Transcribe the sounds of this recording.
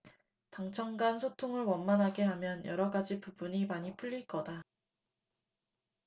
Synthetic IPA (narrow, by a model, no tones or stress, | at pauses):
taŋt͡ɕʰʌŋɡansʰotʰoŋɯɭwʌnmanɦaɡe̞ɦamjʌnjʌɾʌɡad͡ʑipubuɲimaɲipʰuʎːiɭk͈ʌda